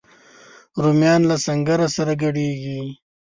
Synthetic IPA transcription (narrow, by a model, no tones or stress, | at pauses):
ɾumjɑːnlasɐŋɡaɾasaɾaɡɐɽeɡi